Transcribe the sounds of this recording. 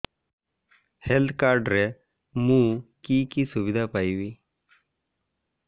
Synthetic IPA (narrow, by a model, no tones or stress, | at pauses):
helt̪ʰkaɾɖɾe | mũkiːkisʊʋɪd̪ʱapajʋiː